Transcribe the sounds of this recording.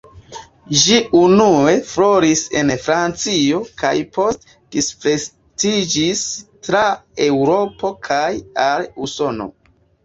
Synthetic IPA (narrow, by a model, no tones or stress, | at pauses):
ʒiunue̞flo̞ɾise̞̰nfɾant͡sioka̰jpo̞st | d̥ispɾes | tid͡ʒistɾae̞wɾo̞po̞kʰajaluso̞no̞̰